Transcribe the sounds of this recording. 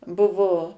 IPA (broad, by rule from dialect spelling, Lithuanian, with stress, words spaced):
ˈbʊʋoː